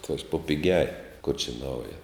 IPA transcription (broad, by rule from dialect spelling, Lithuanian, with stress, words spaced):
ˈɑːtʲʋʲɛʃ poː pʲɪˈɡʲɛj kʊr t͡ʃʲɛ ˈnɐʊjɛ